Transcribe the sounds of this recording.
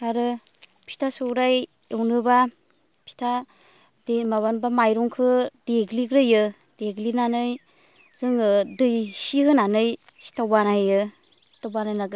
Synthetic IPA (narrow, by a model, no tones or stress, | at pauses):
kaɾɯ | pʰi̥tʰasoɾaj | ewnɯba | pʰi̥tʰa | demaβanbamajɾɔŋkʰɯdeɡlikɾɯjɯ | d̥eɡlinanɯj | z̥ɯŋɯdɯjsihɯnanɯjsi̥tawbanajɯ | tawbanajnaɡɯ